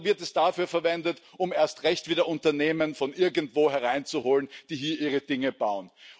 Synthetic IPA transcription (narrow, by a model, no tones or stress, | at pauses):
vɪɐtɛsd̥afyːɐfɛɐvɛndətʊmeːɐstʁɛçtv̥iːdɐʔʊntɐneːmənfɔnʔɪɐɡntv̥oːhɛɐʁ̞aɪnt͡suhoːlənd̥iːɦiːɐʔiːʁəd̥ɪŋəb̥aʊən